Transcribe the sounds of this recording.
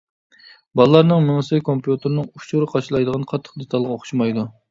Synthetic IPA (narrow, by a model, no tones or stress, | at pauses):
bɑlˠəlˠɑɾnɨŋmɪŋsɨjkʰompjut̪ʰɨɾnɨŋut͡ʃuɾɨqʰɑʃlˠɑjd̪əʁɑnqʰɑt̪ʰːə̥q̚d̪et̪ʰɑlˠʁɑoχʊ̥ʃmɑjd̪u